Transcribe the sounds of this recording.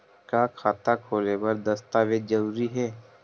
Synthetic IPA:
kaːkʰaːt̪akʰoːlebɐɾd̪ɐst̪aːʋed͡ʒɐɾuːɾiɦɛː

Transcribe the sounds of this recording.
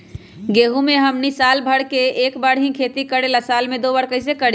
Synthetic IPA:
ɡeɦumeɦəmnisalbʱəɽkeekbəɽɦĩkʰet̪ikəɽelasalmed̪obəɽkəjsekəɽi

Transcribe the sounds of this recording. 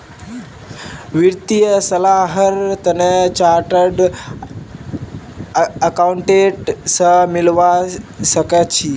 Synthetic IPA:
ʋiɾt̪ijəsəlaɦəɾt̪ənet͡ɕaɾʈəɖ | əkauɳʈeʈsəmilʋasəkət͡ɕʰi

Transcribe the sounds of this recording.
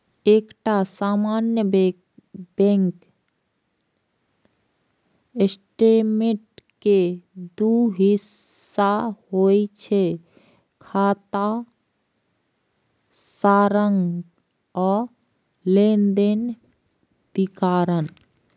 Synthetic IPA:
ekʈasamanjəb | bẽŋk | esʈemeʈ̚ked̪uɦisː | aɦojt͡ʃʰe | kʰat̪a | saɾəŋɡ | ɔ | lend̪en | b̪ikaɾən

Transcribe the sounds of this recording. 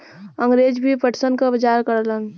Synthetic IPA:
əŋɡɾed͡ʒbʱipəʈsənkabəd͡ʒaɾkəɾlən

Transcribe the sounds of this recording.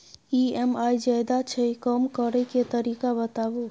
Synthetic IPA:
iemajd͡ʒajd̪at͡ʃʰəikəmkəɾəiket̪əɾiːkabət̪abu

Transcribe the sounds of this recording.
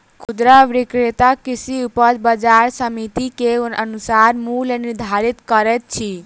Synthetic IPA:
kʰud̪ɾəʋɾikɾet̪akisiupəɾbəd͡ʒaɾsəmit̪ikeonʔənusaɾmuleniɾd̪ʱaɾit̪kəɾɛt̪̚t͡ʃʰi

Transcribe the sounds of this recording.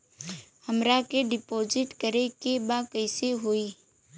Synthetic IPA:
həmɾakeɖɪpoːzɪʈkəɾekebakəɪseɦoːiː

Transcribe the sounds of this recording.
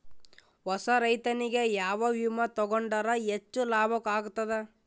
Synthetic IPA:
ʋɔsɐɾɐjt̪ɐniɡe̞jaːʋɐʋimɐt̪ɔɡoɳɖɐɾɐet͡ʃːulaːbʱɐkaːɡut̪ːɐd̪e

